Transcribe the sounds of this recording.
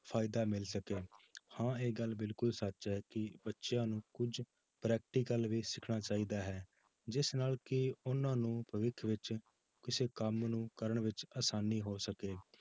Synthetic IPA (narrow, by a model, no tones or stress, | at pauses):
pʰaːɪd̪aːmɪlsəkeːhãːeːɡəlbɪlkʊlsət͡ʃːɦɛːkɪbətːʃjãːnũːkʊd͡ʒ | pɾɛːk̚ʈiːkəlʋiːsɪkʰɽaːt͡ʃaːiːd̪aːɦɛː | d͡ʒɪsnaːlkɪʊnãːnũːpəʋɪkʰʋɪt͡ʃ | kɪseːkəmnũːkəɾəɳʋɪt͡ʃaːsaːniːɦoːsəkeː